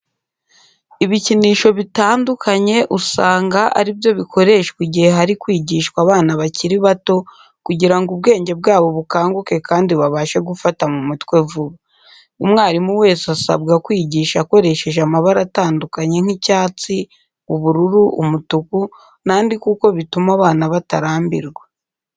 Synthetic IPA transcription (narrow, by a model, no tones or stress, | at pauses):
iβiciniːʃo̞βitaːndukʰaɲe̞ʔusaːŋɡaʔa̰ɾibjo̞βikʰo̞ɾe̞ʃkwiɟihe̞ɦaɾikwiːɟiːʃkwaβaːnaβaciɾiβato̞ | kuɟiɾaŋɡuβ̚ɡe̞ːɲɟe̞b̚ɡaːβo̞βukaːŋɡuke̞kaːndiβaβaːʃe̞ɡufatamumutkwe̞vuβa | umŋaːɾimuwe̞ːsiasa̰bɡakwiːɟiːʃako̞ɾe̞ʃe̞ʒamaβaɾataːndukaɲe̞ŋhicaːt͡si | uβuɾuɾuṵmutuku | naːndikuko̞βitumaβaːnaβataɾaːmbiɾɡwe